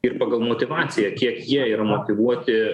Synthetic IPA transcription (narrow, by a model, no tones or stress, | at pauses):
ɪrpɑːɡɐlˠmoːt̪ʲɪʋɑːtsʲɪjɛkʲiɛkjiɛiːɾɐmoːt̪ʲɪʋuɔt̪ʲɪ